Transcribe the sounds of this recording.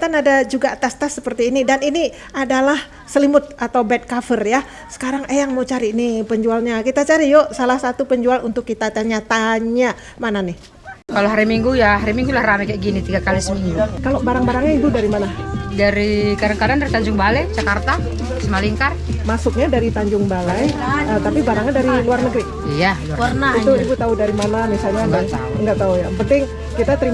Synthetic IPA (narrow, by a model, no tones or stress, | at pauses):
t̪anadad͡ʒuɡat̪ast̪asːəpərt̪iːnidanini | adalah | səlimʊt̪̚at̪awbɛt̪̚kafərja | sə̥kaɾaŋʔəjaŋmawt͡ʃaɾiːnipəɲd͡ʒualɲakit̪at͡ʃaɾijosalahsat̪upəɲd͡ʒualunt̪ʊkːit̪at̪aɲat̪aɲa | mananɪ | kaloɦaɾimiŋɡujaɦaɾimiŋɡulahramɛkajaʔɡinit̪iɡakalisəmiŋɡukalobaɾaŋbaɾaŋɲait̪udaɾimanadaɾikadaŋkadandaɾit̪aɲd͡ʒʊŋbalɛt͡ʃakart̪a | səmaliŋkarmasʊk̚ɲadaɾit̪aɲd͡ʒʊŋbalɛjət̪apibaɾaŋadaɾiluarnəɡɾi | ijaluaərnait̪uibʊt̪audaɾimanamisalɲaɡat̪a̰uŋɡaʔt̪aujapənt̪ɪŋ | kit̪at̪əɾim